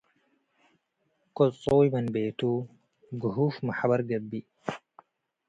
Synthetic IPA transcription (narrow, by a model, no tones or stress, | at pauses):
kot͡sʼoːjmɐnbeːt̪u | ɡuɦuːfmɐħabɐɾɡɐbːi